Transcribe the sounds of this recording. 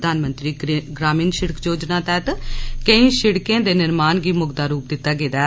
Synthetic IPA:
d̪aːnmənt̪ɾiːɡɾaːmiːnʃɪɽəkd͡ʒoːd͡ʒnãːt̪ɛːt̪kə̃ĩːʃɪɽkẽːd̪eːnɪɾmaːnɡiːmʊɡd̪aːɾuːp̚d̪ɪt̪ːaːɡeːd̪aː

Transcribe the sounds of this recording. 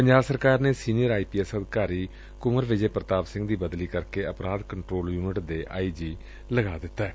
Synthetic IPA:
pəɲd͡ʒaːbsəɾkaːɾneːsiːnijəɾaːiːpiːɛsəd̪kaːɾiː | kʊməɾʋɪd͡ʒeːpɾət̪aːbsɪ̃ŋɡd̪iːbəd̪liːkəɾkeːəpɾaːd̪kəɳʈɾoːljuːnɪʈd̪eːʔaːiːd͡ʒiː | ləɡaːd̪ɪt̪ːaɛː

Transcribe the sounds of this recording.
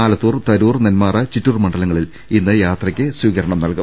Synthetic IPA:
aːlɐt̪ːuːrt̪ɐɾuːrnenmaːrɐt͡ɕitːuːrmɐɳɖɐlɐŋːɐɭil | inːɨjaːt̪rɐkʲːɨsʋiːɣɐɾɐɳɐmnɐlkum

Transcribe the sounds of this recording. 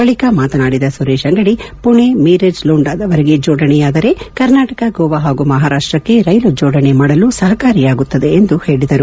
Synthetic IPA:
bɐɭikamaːt̪ɐnaːɽid̪ɐsuɾeːʃɐŋɡɐɽipuɳemiːɾed͡ʒluːɳɖaːd̪ɐʋɐɾeɡe̞d͡ʒoːɽɐnɛjaːd̪ɐɾe̞kɐɾnaːʈɐkɐɡoːʋaɦaːɡumɐɦaːɾaːʂʈɾɐkːe̞ɾɐjlud͡ʒoːɽɐnemaːɽɐlusɐɦɐkaːɾijaːɡut̪ːɐd̪e̞ːnd̪uhe̞ːɭid̪ɐɾu

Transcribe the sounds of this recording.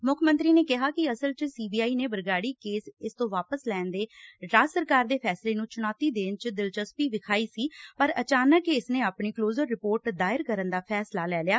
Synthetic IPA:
mʊkʰmə̃nt̪ɾiːneːkɪɦaːkɪəsəlt͡ʃsiːbiːaːiːneːbəɾɡaːɽiːkeːsɪst̪õːʋaːpəslɛːnd̪eːɖaːsəɾkaːɾd̪eːpʰɛːsleːnũːt͡ʃʊnaːt̪iːd̪eːnt͡ʃd̪ɪlt͡ʃəspiːʋɪkʰaːiːsiːpəɾə̰t͡ʃaːnəkːeɪsnẽːaːpɳiːkloːzəɾːɪpoːɾʈd̪aːɪɾkəɾənd̪aːpʰɛːslaːlɛːljaː

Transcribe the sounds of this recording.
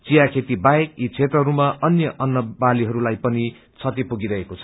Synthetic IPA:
t͡sijakʰet̪ibaekit͡sʰet̪rʌɦɾumaʔʌnjʌʔʌnːʌbaliɦʌɾulajpʌni | t͡sʰʌt̪ipuɡiɾʌɦekot͡sʰʌ̥

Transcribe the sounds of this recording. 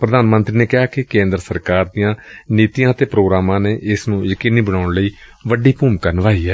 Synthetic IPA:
pɾəd̪aːnmənt̪ɾiːneːkɪɦaːkɪkẽːnd̪ɾəsəɾkaːɾd̪ijãːniːt̪ijãːt̪eːpɾoːɡɾaːmãːneːʔɪsnũːjəkiːniːbəɽaːʊɳləiːʋəɖiːpuːmkaːnəʋaːiːɦɛː

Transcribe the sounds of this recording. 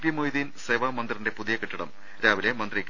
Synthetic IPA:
pjɐmojðinseʋaːmɐnd̪rinde̞puðijɐkiʈːiɽɐ̰m | ɾaːʋile̞mɐnd̪rikʲː

